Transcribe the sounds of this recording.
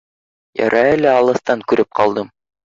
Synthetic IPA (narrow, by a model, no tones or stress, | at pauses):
jɑ̰ɾʔɑelæɑlˠɤ̆θt̪ɑŋkʉɾɘp̚qʰɑlˠd̪ɤm